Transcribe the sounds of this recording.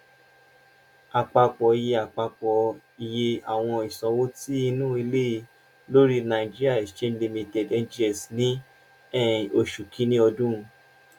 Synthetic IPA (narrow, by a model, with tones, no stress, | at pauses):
a˨k͡pa˧k͡pɔ˨i˨je˧a˨k͡pa˧k͡pɔ˨ | i˨je˧˦a˨w̃ɔ̃˧i˨sɔ̃˨wo˦ti˦i˧nũ˦i˧le˦i˧ | lo˦ɾi˦nã˨i˨d͡ʒi˦ɾi˦a˦˨i˨ʃe˦n˦li˧mĩ˧tɛ˨dɛ˧˨˦d͡ʒi˦ɛ˨snĩ˦ | ɛ˦˨o˧˨ʃu˨kʰĩ˨˦nĩ˦ɔ˧dũ˦˨